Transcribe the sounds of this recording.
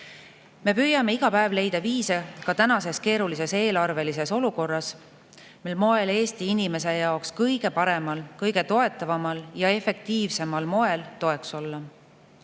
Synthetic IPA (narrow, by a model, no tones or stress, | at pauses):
me̞pyːjɑme̞iɡ̥ɑpæevle̞jd̪̥ɑviːsekɑt̪ænɑse̞ske̞ːɾulis̬e̞se̞ːlɑrve̞lise̞so̞luko̞rːɑs | milmo̞e̞le̞ːst̪iinime̞s̬e̞jɑokskɤjɡ̥e̞pɑɾe̞mɑlkɤjɡe̞t̪o̞e̞t̪ːˑɑvɑmɑljɑe̞fe̞k̚t̪iːvse̞mɑlmo̞e̞lt̪o̞e̞kso̞lːɑ